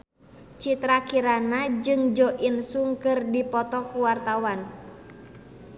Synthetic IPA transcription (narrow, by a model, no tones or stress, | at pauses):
t͡ʃit̪ɾakiɾanad͡ʒɨŋd͡ʒɔʔinsuŋkɨrdipɔt̪ɔkuwart̪awan